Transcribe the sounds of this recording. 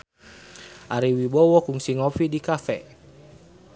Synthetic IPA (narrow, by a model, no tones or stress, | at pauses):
ʔaɾiwibɔwɔkuŋsiŋɔfidikafɛ